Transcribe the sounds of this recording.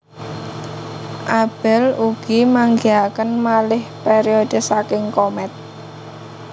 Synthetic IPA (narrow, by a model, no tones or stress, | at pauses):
ʔab̥ɛluɡ̥imaŋɡiakənmalɪhpeɾiod̪̥ə̤sakɪŋkomɛt̪̚